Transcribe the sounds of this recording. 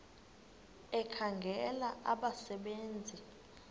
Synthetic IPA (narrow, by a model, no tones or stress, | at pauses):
ɛkʰaŋɡʱɛlaʔaɓasɛɓeːnd͡zʱi